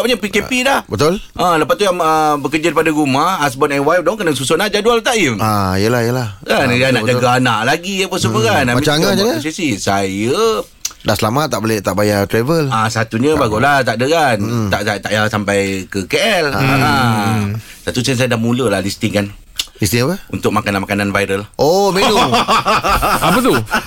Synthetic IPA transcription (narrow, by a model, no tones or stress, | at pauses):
aʔpaɲapikɛpilahbət̪ʊlʔaləpatt̪ujaŋəbəkəd͡ʒadɾipadaɾumahasbɔnanwajfdɔŋkənaŋsusonaʔd͡ʒadualt̪aʔimaijəlahjəlahkanjanaʔd͡ʒaɡaanaʔlaɡiapəs̬upəkanamaiaaasisisajə | daʔsəlamat̪ːaʔboleht̪aʔbajat̪ɾevəlasat̪uɲəbaɡulat̪aʔdəkant̪aʔat̪aʔjasampajkəkeʔɛlaa | sat̪ut͡ʃɛns̬ajadahmuləlahlist̪iŋkan | list̪iŋapəṵnt̪ʊk̚makananmakananvajɾəlʔomenu | apət̪u